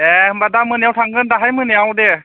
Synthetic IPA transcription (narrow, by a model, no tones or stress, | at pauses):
ɛmbadamɯnjawtʰaŋɡɯndaɦajmɯnjawdɛ